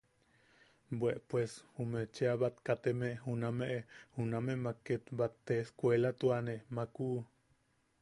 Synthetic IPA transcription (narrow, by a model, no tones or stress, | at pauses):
bweʔpweshumet͡ʃeaβat̪kat̪emehunameʔehunamemakːet̪bat̪ːeskʷelat̪uanemaku